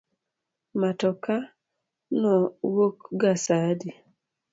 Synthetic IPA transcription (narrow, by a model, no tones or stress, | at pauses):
matɔka | nɔwokɡasadi